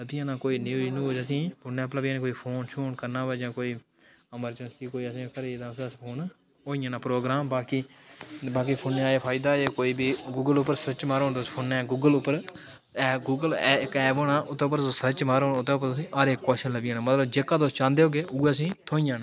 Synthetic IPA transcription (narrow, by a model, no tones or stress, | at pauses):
ləbijãːnãːkoːiːniuːd͡ʒnũːoːd͡ʒəsĩːpʊnɛ̃ːpləbjãːnẽːkoːiːpʰoːnʃoːnkəɾnãːʋɛːd͡ʒãːkoːiː | əməɾd͡ʒənsiːkoːiːəsĩːkəɾeːd̪ãsspʰoːn | oːijãːnãːpɾoːɡɾaːmbaːkiːbaːk̬iːpʰoːnːeaːeːpʰaːɪd̪aːeːkoːiːbiːɡuːɡəlʊpːəɾsəɾət͡ʃmaːɾoːnt̪oːspʰoːnɛ̃ːɡuːɡəlʊpːəɾ | ɛːɡuːɡəlɛːɪkɛːboːɳãːʊt̪ːeːp̬ːəɾsəɾət͡ʃmaːɾõːnʊt̪eːʊp̬ːəɾt̪ʊsĩːʔaːɾeːkːɔːʃənləbɪjãːnãːmət̪ləbd͡ʒeːkːaːd̪oːst͡ʃãːnd̪eːɦoːɡeːʔuːes̬ĩːt̪ʰoːĩjãːnaː